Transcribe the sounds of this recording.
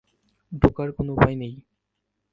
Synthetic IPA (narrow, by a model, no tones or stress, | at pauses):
dʱokaɾkonoupajnej